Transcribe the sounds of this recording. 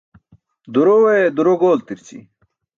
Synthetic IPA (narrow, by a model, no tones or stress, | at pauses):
d̪uɾowed̪uɾoɡoːlt̪iɾt͡ɕḭ